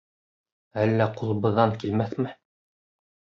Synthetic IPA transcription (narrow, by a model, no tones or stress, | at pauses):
ælːæqulˠɤβɤ̆ðːɑŋkilmæθmɘ